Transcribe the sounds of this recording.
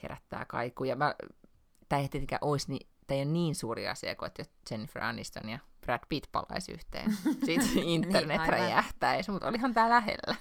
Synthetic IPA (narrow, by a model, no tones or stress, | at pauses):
hḛɾæt̪ːæ̰ːkɑ̰ikujɑmæ | t̪æːiet̪et̪eŋkæ̰ʔoisnit̪æijonniːnsuːriɑ̰siɑ̰koet̪jo | t͡ʃenːifrɑ̰nist̪o̰njɑpræd̪pit̪pɑ̰lɑ̰isy̰ht̪ḛːnsit̪int̪ːernet̪ræ̰jæht̪æismut̪o̰lihɑnt̪æːlæhḛlːæ